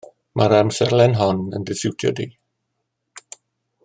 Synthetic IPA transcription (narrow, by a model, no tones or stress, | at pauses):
mʔaɾamsɛɾlɛnɦɔnə̰ndɪsɪwtʰjɔ̰di